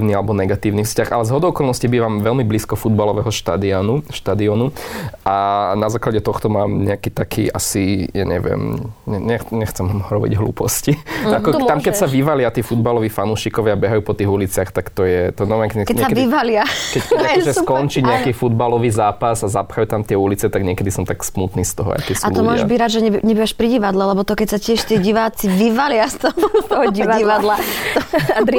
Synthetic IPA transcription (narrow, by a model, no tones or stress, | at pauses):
nialɛbɔnɛɡat̪iːʊniːfscaxalɛzɦɔd̪ɔʊɔkɔlˠnɔscibiːʋaːmʋɛlmibliːskɔfud̪̚balɔʋɛɦɔʃt̪a̰d̪ianuʃt̪ad̪iɔnuʔanazaːklaɟɛt̪ɔxt̪ɔmaːmɲɛakiːt̪akʰḭːʔa̰sija̰ːɲɛ̰ʋɪɛ̰mɲɛɲɛxɲɛxt͡sɛmɦɾɔbḭɟɦlṵːpɔsciakɔt̪amkɛcsaʋiʋalɪat̪iːfud̪balɔʋiːfanuːʃikɔʋɪabɛɦajuːpɔt̪iːɣulit͡sɪaxt̪akt̪ɔjɛt̪ɔnɔmɛkɛkɛɲɛsaʋiʋalɪakɛcaɔʒɛskɔnt͡ʃiɲɛakiːfud̪̚balɔʋiːzaːpasazapxajut̪amt̪ɪɛulit͡sɛt̪aɡɲɛkɛd̪isɔmt̪aksmut̪niːst̪ɔɦɔ̰a̰k̪isatluɔmʊɔʒbiɟɾaːd̪ʒɛɲɛɲɛbiʋaʃpɾiɟiʋad̪lɛlɛbɔt̪ɔkɛcsacɪɛʃt̪iːɟiʋaːt͡siʋiʋalɪast̪ɔt̪ɔɦɔɟiiʋad̪la